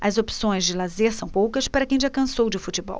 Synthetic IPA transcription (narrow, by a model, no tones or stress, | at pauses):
ɐzopsõj̃zd͡ʒɪlazeɾsɐ̃w̃powkɐspaɾɐkẽj̃d͡ʒakɐ̃sowd͡ʒɪfut͡ʃɪbɔ̰w